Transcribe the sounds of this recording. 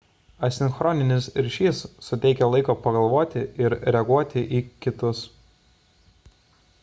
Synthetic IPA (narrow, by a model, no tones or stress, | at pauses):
ɐsʲɪnkxɾɔːnʲɪnʲɪsɾʲʃʲiːsːʊt̪ʲɛɪkʲɛlˠɐɪkoːpɐɡɐlˠʋoːt̪ʲɪɪɾɾʲɛɐɡuɔt̪ʲɪʔiːkʲɪt̪ʊs